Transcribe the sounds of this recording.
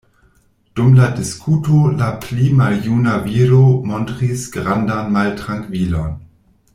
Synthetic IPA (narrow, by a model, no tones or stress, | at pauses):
d̥umladiskʰuːtolaplimaljuːnaviːɾomɔntʁisɡ̥ʁandanmaltʁaŋkv̥ilon